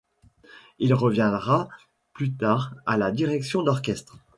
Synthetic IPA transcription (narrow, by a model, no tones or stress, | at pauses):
ilʁəvjɛ̃d̪ʁa | plyt̪aːʁalad̪iʁɛksjɔ̃d̪ɔʁkʲɛst̪χ